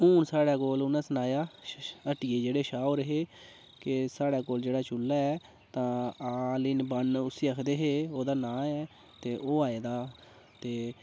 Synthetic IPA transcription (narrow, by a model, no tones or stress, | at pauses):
uːnsaːɽaːkoːlʊnãːsənaːjaːəʈiːeːd͡ʒeːɽeːʃaːoːɾəɦeː | kɪsaːɽaːkoːld͡ʒeːɽaːt͡ʃʊlːaːɛː | t̪ãːaːlɪːnbənʊsiːəkʰd̪eːɦeːoːd̪aːnãːɛː | t̪eːʔoːaːeːd̪aː | t̪eː